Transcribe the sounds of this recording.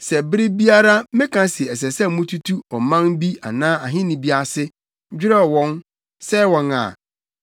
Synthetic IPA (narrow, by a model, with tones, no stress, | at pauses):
sɛ˨bɪ˦ɾɪ˦bi˦a˦ɾa˦mɪ̃˦kʰã˨sɪ˨ɛ˨s̬ɛ˨sɛ˦˨mũ˦tʰu˦tʰu˦ɔ˨mã˦nbi˦a̰˨nãː˦a˨ɦɪ̃˦nĩ˨bi˦a˨sɪ˦ | d͡ʑᶣɪ˦ɾɛ˦˨wɔ̃˦n | sɛ˦wɔ̃˨na̰˨